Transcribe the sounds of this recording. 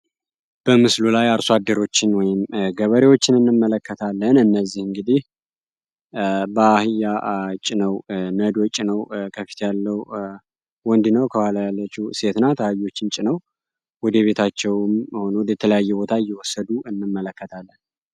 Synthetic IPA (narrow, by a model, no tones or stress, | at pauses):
b̥əmɨslulajaɾsoad̪ːəɾo̞t͡ʃːɪnwɔjɪmɡəβəɾewot͡ʃːɪnɨnːɨmːələkːət̪ʰalːənɨnːəzːihɨŋɡɨd̪ih | bəahɨjat͡ʃʼːɪnəwnəd̪wɔt͡ʃʼːnəwkʰəfi̥t̪ʰjalːəw | wɔnd̪ɨnəwkʰəwaləjalːət͡ʃːuse̞t̪nat̪ʰəhajo̞t͡ʃːɪnt͡ʃʼɪnəw | wɔd̪əβe̞t̪ʰat͡ʃːɛwmho̞nowd̪jɛt̪ʰələjajːɛbo̞t̪ʰaɨjːɛwɔsːəd̪uɨnːɨmːələkːət̪ʰalːən